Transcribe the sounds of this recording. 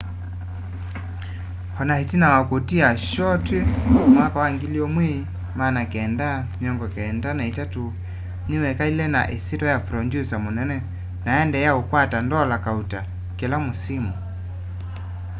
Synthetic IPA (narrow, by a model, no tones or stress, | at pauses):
hɔnahitinawakutiaʃɔtwemwakawaŋɡiliɔmwi | manakɛndamjɔŋɡɔkɛndanaitatu | niwɛkailɛna̰ʔesitɔjapɾɔndjusamunɛnɛ | naɛndɛjaukwatandɔlakauta | kɛlamusimu